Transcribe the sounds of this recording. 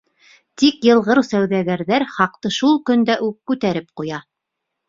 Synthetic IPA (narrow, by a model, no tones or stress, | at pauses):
t̪ikjɤ̆lˠʁɤɾsæwðæɡæɾðæɾχɑq̚t̪ɤʃulˠkɵ̆nd̪æʔʉp̚kʉt̪æɾɘp̚qujɑ